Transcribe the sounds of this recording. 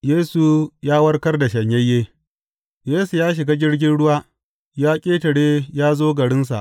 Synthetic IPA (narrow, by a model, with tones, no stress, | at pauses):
jeː˦su˨jaː˦wɐ˦rkɐ˦rda˨ʃɐ˨ɲjɐ˦jːeː˦ | jeː˦su˨jaː˦ʃ̬ɪ˨ɡaː˦ɡʲɪ˦ɽɡʲɪ˦nɽʊ˦waː˦ | jaː˦kʲʼeː˦tɐ˨ɽeː˦jaː˦zoː˦ɡɐ˨ɽɪ˦ns̬a̰˨ʔ